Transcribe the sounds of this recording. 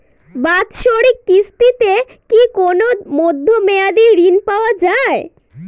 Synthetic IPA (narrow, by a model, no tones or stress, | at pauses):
bat̪ʃoɾikːist̪it̪e | kikonomod̪ʱːomead̪iɾinpaoad͡ʑae